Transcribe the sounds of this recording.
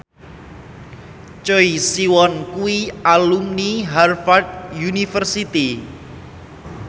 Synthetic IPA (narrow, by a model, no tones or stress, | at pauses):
t͡ʃɔisiwɔnkuwialumniɦarfard̪̚junifərsit̪i